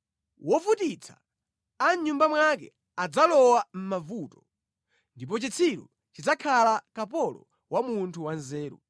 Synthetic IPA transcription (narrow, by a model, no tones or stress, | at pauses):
wɔfutit͡sʰḁ̰ | aɲumbamwakɛ̰ | ad͡zalɔwam̩mavuːtɔ̥ | ndip̬ɔt͡ʃit͡sʰiɾṵ | t͡ʃid͡zakʰalakapɔlɔ̰ | wamuntʰuwanzɛːɾṵ